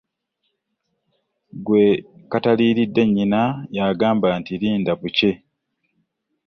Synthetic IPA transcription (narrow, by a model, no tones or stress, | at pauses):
ɡwe̞kataliːɾidːe̞ɲːinajaːɡaːmbantiɾiːndaβuce̞